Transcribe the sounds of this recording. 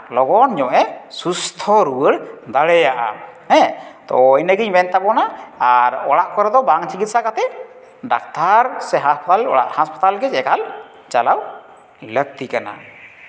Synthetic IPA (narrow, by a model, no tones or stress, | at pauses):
lɔɡɔnɲɔʔɛsust̪ʰɔɾuwəɽd̪aɽɛjaʔa̰hɛ̃t̪ɔjnəɡiɲmɛnt̪abɔnaːɾɔɽaʔkɔɾɛd̪ɔbaŋt͡ʃikit̪̚sakat̪ɛ | ɖa̰k̚t̪aɾsɛɦaspt̪alɔ̰a̰ʔhaspḁt̪alɡɛd͡ʒɛkal | t͡ʃalaw | lək̚t̪ikana̰